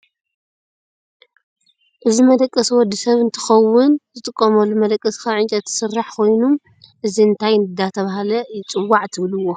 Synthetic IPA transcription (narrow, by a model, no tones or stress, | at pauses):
ʔɨzimɐd̪ɐkʼːɐswɔd̪ːisɐβɨnt̪ʰɨ̥xɐwʊnzɨt̪ʼɨkʼːɐmɐlːumɐd̪ɐkʼːɐskʰaʕɨnt͡ʃʼɐt̪ʰːɨ̥sɨrːaħkʰo̞jnum | ʔɨziɨnt̪ʰajnɨd̪at̪ʰɐβahalɐjɪt͡sʼɨwːaʕt̪ʰɨβluwːo̞